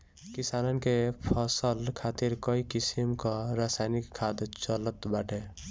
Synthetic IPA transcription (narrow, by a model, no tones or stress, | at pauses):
kisanənkepʰʌsəlkʰat̪iɾkɔikisimkɔɾasajnikʰːad̪t͡ʃələt̪baʈe